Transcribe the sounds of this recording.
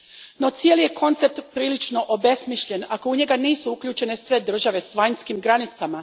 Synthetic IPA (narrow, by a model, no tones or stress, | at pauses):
no̞t̪sijelije̞kʰo̞nt̪se̞p̚t̪pɾiːlit͡ʃno̞ʔobe̞smiʃʎe̞nako̞uɲe̞ɡaniːsuukʎʲuːt͡ʃe̞ne̞sʋe̞d̪r̩ʒaʋe̞sʋaɲskimɡɾanit̪sama